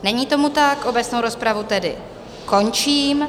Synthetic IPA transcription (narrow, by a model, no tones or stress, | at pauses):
nɛɲiːt̪o̞mut̪akʔo̞bɛt͡sno̞wɾo̞spɾavut̪ɛdɪ̰ | ko̞nt͡ʃiːm